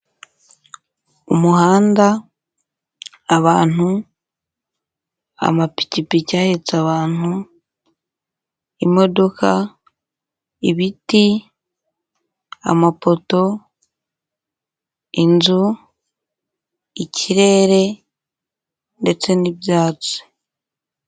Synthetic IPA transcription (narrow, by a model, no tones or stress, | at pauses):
umuɦaːnda | βaːn̥u | a̰mapi̥cipicaːhet͡saβaːn̥u | imo̞do̞kʰa | iβiti | a̰mapo̞to̞ | inzu | icʰiɾe̞ːɾe̞ | nde̞t͡se̞nibjaːt͡si̥